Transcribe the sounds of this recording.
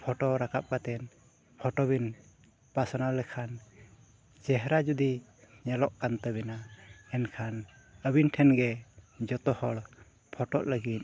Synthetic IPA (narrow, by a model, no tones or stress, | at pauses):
pʰɔʈɔɾakap̚kat̪ɛn | pʰɔʈɔbin | pasɔnawlɛkʰan | t͡ʃɛɦɾad͡ʒud̪i | ɲɛlɔʔkant̪əbɛnaɛnkʰan | əbinʈʰɛnɡɛd͡ʒɔt̪ɔhɔɽ | pʰɔʈɔ̰ʔləɡit̪̚